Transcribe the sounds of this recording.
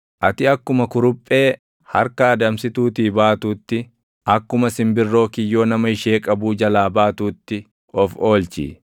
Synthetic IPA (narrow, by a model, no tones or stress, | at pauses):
ʔɐt̪ɪɐkːʊmɐkʊɾʊpʼːe̞ː | hɐɾkɐːd̪ɐmsɪt̪uːt̪iːbaːt̪uːt̪ːɪ | ɐkːʊmɐsɪmbɪrːo̞ːkɪjːo̞ːnɐmɐɪʃeːkʼɐbuːd͡ʒɐlaːbaːt̪uːt̪ːɪ | ɔfo̞ːlt͡ʃḭː